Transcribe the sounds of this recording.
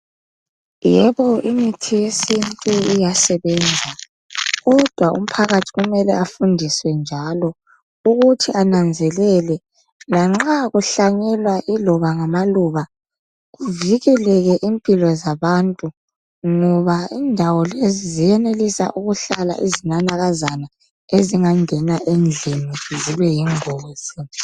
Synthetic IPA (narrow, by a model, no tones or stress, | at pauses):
jɛβɔimitʰijesintʼuijasɛβɛnd͡zʱa | ɣɔd̥ʱwaʔṵm̩pʰaɣatʰiɣumɛlɛafundʱiswɛnd͡ʒʱalɔ | uɣutʰianand͡zʱɛlɛlɛ | laŋ͡ǁaɣuɬaɲɛlwaʔilɔβaŋamaluβa | ɣuviɣɛlɛɣɛʔimpʼilɔzaβantʼu | ŋɔβaiːndʱawɔlezizijɛnelisa̰ʔuɣuɬala̰ʔizinanaɣazana | eziŋaŋɛnaʔend͡ɮʱiniziβɛjiŋoːz̥i